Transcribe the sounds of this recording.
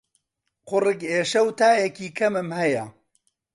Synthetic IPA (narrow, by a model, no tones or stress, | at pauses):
qʊrɨkeːʃɐwt̪ʰaːjɛkiːkʰɐmɨmhɐjɐ